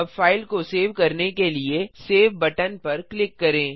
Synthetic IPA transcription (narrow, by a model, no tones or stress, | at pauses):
ɐbfaːɪlkoseːʋkɐɾnekelieseːʋbɐʈənpɐɾklɪkːɐɾẽː